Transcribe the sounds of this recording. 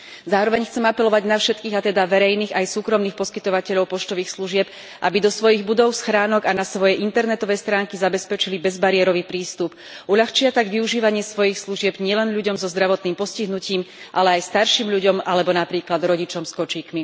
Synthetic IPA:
zaːɾɔʋɛɲxt͡sɛmapɛlɔʋaɟnafʃɛt̪kiːɣat̪ɛd̪aʋɛɾɛjniːɣajsuːkɾɔmniːxpɔskit̪ɔʋacɛʎɔʊpɔt͡ʃt̪ɔʋiːxsluʒɪɛp̚ | ʔa̰bid̪ɔsʋɔjiɣbud̪ɔʊsxɾaːnɔɡanasʋɔjɛʔint̪ɛɾnɛt̪ɔʋɛjst̪ɾaːŋkizabɛspɛt͡ʃilibɛzbaɾɪɛɾɔʋipɾiːst̪up | ʔuʎaxt͡ʃɪat̪aɡʋiuʒiːʋaɲɪɛsʋɔjixsluʒɪɛbɲɪɛlɛnʎuɟɔmzɔzd̪ɾaʋɔt̪niːmpɔsciɦnuciːm | ʔalɛajst̪aɾʃiːmʎuɟɔmalɛbɔnapɾiːklad̪ɾɔɟit͡ʃɔmskɔt͡ʃiːkmi

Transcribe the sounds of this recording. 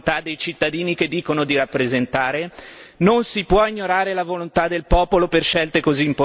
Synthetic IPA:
t̪ad̪ːejt͡ʃit̪ːad̪iːniked̪ːiːkonod̪iɾapːɾezent̪aːɾenonsipwɔiɲːoɾaːɾelavolont̪ad̪ːelpɔːpoloperʃɛlt̪ekoziːmpo

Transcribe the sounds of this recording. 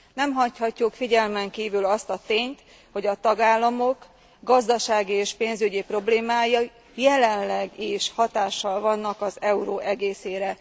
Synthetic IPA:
nɛmɦɒchɒcːukfiɟɛlmɛŋkiːvylɒst̪ɒt̪eːɲt̪ | ho̞ɟɒt̪ɒɡaːlːɒmo̞k | ɡɒzd̪ɒʃaːɡieːʃpeːnzyɟipro̞bleːmaːjɒ | jɛlɛnlɛɡiʃhɒt̪aːʃːɒlvɒnːɒkɒzɛuɾoːʔɛɡeːseːɾɛ

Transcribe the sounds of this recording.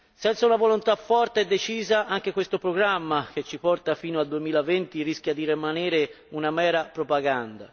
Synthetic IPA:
sɛnt̪saunavolont̪afːɔrt̪eɛd̪ːet͡ʃiːzaaŋk̟ekwest̪opɾoɡɾamːak̟et͡ʃːipɔrt̪afiːnoald̪uemiːlavɛnt̪iɾisk̟ʲjad̪irimanɛːɾɪ | unamɛːɾapɾopaɡand̪a

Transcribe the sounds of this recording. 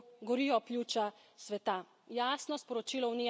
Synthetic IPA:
ɡɔɾiːjɔplʲjut͡ʃa | sʋɛt̪a | jaːsnɔspɔɾɔt͡ʃilɔwniː

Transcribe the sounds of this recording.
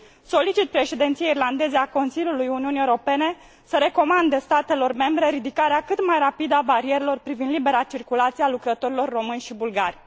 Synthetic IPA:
so̞lit͡ʃit̪̚pɾe̞ʃed̪ent̪sijeirland̪e̞zeako̞nsilʲjulujuniuniewoɾo̞pe̞ne̞ | səɾe̞ko̞mand̪est̪at̪e̞lo̞rme̞mbɾe̞ɾid̪ikaɾeakɨt̪majɾapid̪əabaɾie̞ɾelo̞rpɾivind̪libe̞ɾat͡ʃirkulat̪sialukɾət̪o̞ɾilo̞rːo̞mɨnʲʃibulɡarʲ

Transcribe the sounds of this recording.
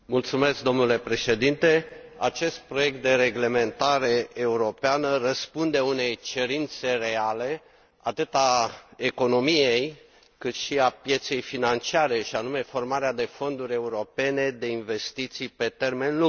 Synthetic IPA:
mult̪sume̞sk̚d̪o̞mnule̞pɾe̞ʃe̞d̪int̪e̞a̰t͡ʃe̞st̪̚pɾo̞je̞k̚t̪̚d̪e̞ɾe̞ɡle̞me̞nt̪aɾe̞ːuɾo̞peanərəspund̪e̞une̞jt͡ʃe̞ɾint̪se̞re̞ale̞ | at̪ɨt̪aeko̞no̞mije̞j | kɨt̪ʃiapje̞t̪se̞jfinant͡ʃiaɾe̞ʃianume̞fo̞rmaɾead̪e̞fo̞nd̪uɾʲe̞uɾo̞pe̞ne̞d̪e̞inve̞st̪it̪sijpe̞t̪e̞rme̞nlu

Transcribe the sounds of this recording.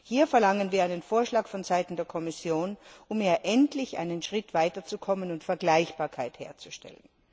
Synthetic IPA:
hiːɐfɛɐlaŋənviːɐaɪnənfoːɐʃlaːkfɔnzaɪtn̩deːɐkʰɔmɪsjoːnʔʊmeːɐʔɛntlɪçʔa̰ɪnənʃʁ̥ɪtv̥aɪtɐt͡sukʰɔmənʊntfɛɐɡlaɪçb̥aːɐkʰaɪthḛːɐt͡su̥ʃtɛ̰lən

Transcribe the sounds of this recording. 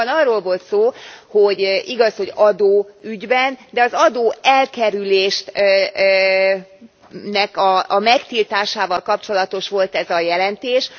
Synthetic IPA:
nɒrːoːlvo̞lt̪soːho̞ɟʔiɡɒsho̞ɟɒd̪oːyɟbɛnd̪ɛɒzɒd̪oːɛlkɛɾyleːʃt | nɛkɒːmɛkt̪ilt̪aːʃaːvɒlkɒpt͡ʃo̞lɒt̪o̞ʃʋo̞lt̪ɛzɒjɛlɛnt̪eːʃ

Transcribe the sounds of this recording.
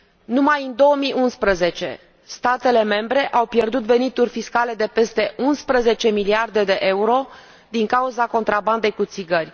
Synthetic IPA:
numajɨnd̪o̞omiʔunspɾəze̞t͡ʃe̞̰ | st̪at̪e̞le̞me̞mbɾe̞ʔawpje̞rd̪ut̪ve̞nit̪urʲfiskale̞d̪e̞pe̞st̪e̞ʔunspɾəze̞t͡ʃe̞miliard̪e̞d̪e̞ʔe̞uɾo̞ | d̪iŋkauzako̞nt̪ɾaband̪e̞jkut̪siɡərʲ

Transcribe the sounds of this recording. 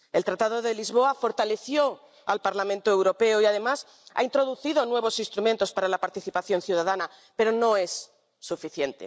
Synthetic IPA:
e̞lt̪ɾat̪að̞oðe̞lizβ̞o̞afo̞ɾt̪ale̞θjo | alpaɾlamẽnt̪oewɾo̞pe̞oiaðe̞mas | a̰int̪ɾo̞ðuθið̞o̞nwe̞β̞o̞sinst̪ɾumẽnt̪ospaɾalapaɾt̪iθipaθjo̞nθjuðaðana | pe̞ɾo̞no̞e̞sː | ufiθje̞nt̪e̞̰

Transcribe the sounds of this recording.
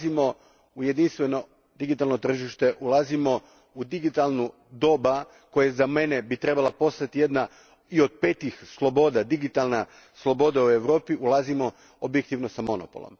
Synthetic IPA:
imo̞ | uje̞d̪inst̪ʋe̞no̞ | d̪iɡit̪alˠno̞t̪r̩ʒiʃt̪e̞ʔulˠazimo̞ | ud̪iɡit̪alˠnu | d̪o̞ba | ko̞jezame̞ne̞bit̪ɾe̞balapo̞st̪at̪ije̞d̪na | io̞d̪̚pet̪ixslˠo̞bo̞d̪ad̪iɡit̪alˠna | slˠo̞bo̞d̪aue̞ʋɾo̞ːpiʔulˠazimo̞ | o̞bje̞k̚t̪iʋno̞samo̞no̰po̞̰lo̰m

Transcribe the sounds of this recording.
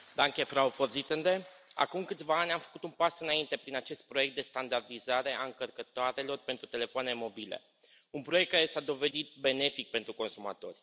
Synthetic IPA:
d̪aŋkʲe̞fɾaoforzit̪sənd̪e̞a̰kumkɨt̪sʲvaanʲamfə̥kut̪unpasɨnaint̪e̞pɾinat͡ʃe̞st̪̚pɾojek̚t̪̚d̪e̞st̪and̪ard̪izaɾe̞ʔaɨŋkərkət̪oaɾe̞lo̞rpe̞nt̪ɾut̪e̞le̞foane̞mo̞bilḛ | unpɾo̞jekt̪̚kaɾe̞sad̪o̞ve̞d̪it̪̚be̞ne̞fik̚pe̞nt̪ɾuko̞nsuma̰t̪o̞̰rʲ

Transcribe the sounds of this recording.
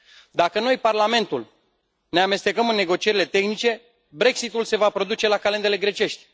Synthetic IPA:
d̪akəno̞jparlame̞nt̪ul | ne̞ame̞st̪e̞kəmɨnːe̞ɡo̞t͡ʃie̞ɾile̞t̪e̞xnit͡ʃe̞ | bɾe̞ksit̪ulse̞vapɾo̞d̪ut͡ʃe̞lakalend̪ele̞ɡɾe̞t͡ʃe̞ʃt̪ʲ

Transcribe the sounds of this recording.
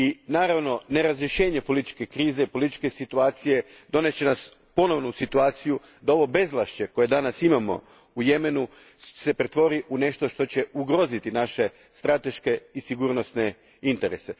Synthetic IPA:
inaːɾaʋno̞ne̞ɾazɾje̞ʃe̞ːɲe̞po̞lit̪i̥t͡ʃke̞kɾiːzepo̞lit̪i̥t͡ʃke̞sit̪uaːt̪sije̞d̪o̞net͡ɕe̞nas | po̞no̞ʋnosit̪uaːt̪siju | d̪ao̞ʋo̞be̞zlˠaʃt͡ɕe̞ko̞je̞d̪anasimamo̞̰ | uje̞me̞nu | se̞pɾet̪ʋo̞ɾiʔune̞ʃt̪o̞ʃt̪o̞t͡ɕe̞uɡɾo̞zit̪inaʃe̞ | st̪ɾat̪e̞ʃke̞isiɡuːɾno̞sne̞ | int̪e̞ɾese

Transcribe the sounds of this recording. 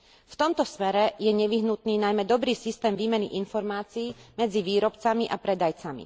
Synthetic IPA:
ft̪ɔmt̪ɔsmɛɾɛjɛɲɛʋiɦnut̪niːnajmɛd̪ɔbɾiːsist̪ɛːmʋiːmɛniʔinfɔɾmaːt͡siːmɛd͡ziʋiːɾɔpt͡samiʔapɾɛd̪ajt͡samḭ

